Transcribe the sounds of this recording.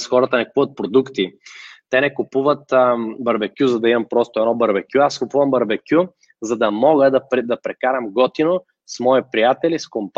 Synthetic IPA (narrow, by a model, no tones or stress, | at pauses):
sxɔɾɐt̪ənɛkupuvɐt̪̚pɾod̪ukt̪it̪ɛnɛkupuvət̪bɐɾbɛkʲjuzɐd̪ɐimɐmpɾɔst̪ʊɛdnɔbɐɾbɛkʲjuaskʊpuvɐmbɐɾbɛkʲju | zɐd̪ɐmɔɡəd̪ɐpɾɛd̪ɐpɾɛkaɾɐmɡɔt̪ino | smɔipɾijat̪ɛliskomp